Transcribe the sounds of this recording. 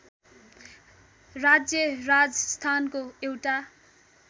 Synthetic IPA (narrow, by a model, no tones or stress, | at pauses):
rad͡zjʌrad͡zʌst̪ʰankoewʈa